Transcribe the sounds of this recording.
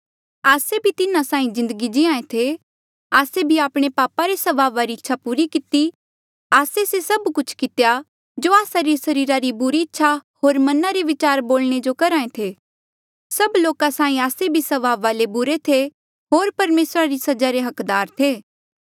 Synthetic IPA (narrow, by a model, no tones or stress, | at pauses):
aːsebʱit̪ɪnãsãːĩzɪ̃nd̪əɡid͡ʒɪãːẽt̪ʰe | aːsebʱiaːpɽ̃epaːpaɾesɐʋaːʋaɾiɪtːʃʰapuːɾikɪt̪i | aːsesesɐbkʊt͡ʃʰkɪt̪eja | d͡ʒoaːsaɾisɐɾiːɾaɾibʊɾiɪtːʃʰahoːɾmɐnaɾiʋɪt͡ʃaːɾboːlɽ̃ed͡ʒokɐɾãːẽt̪ʰeː | sɐbloːkasaːĩaːsebʱisɐʋaːʋːaːlebʊɾet̪ʰe | ɦoːɾpɐɾmeːsɾaɾisɐd͡ʒaɾeɦɐkd̪aːɾt̪ʰeː